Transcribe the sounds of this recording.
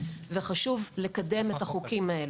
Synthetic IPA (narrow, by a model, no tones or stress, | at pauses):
veχaʃuvlekade̞me̞taχukimhae̞l